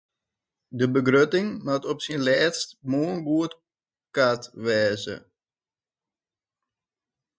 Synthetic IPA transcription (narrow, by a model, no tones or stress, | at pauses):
dəbəɡrøtɪŋmatɔpsinlɛːtstmoənɡuət | katʋɛːzə̰